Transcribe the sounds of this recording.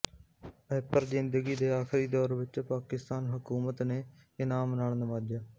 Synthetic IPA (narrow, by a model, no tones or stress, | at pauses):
əpəɾzɪnd̪əɡiːd̪eːaːxʰɾiːd̪ɔːɾʋɪt͡ʃpaːkɪst̪aːnɦʊkuːmət̪neː | ɪnaːmnaːɳnəmaːd͡ʒjaː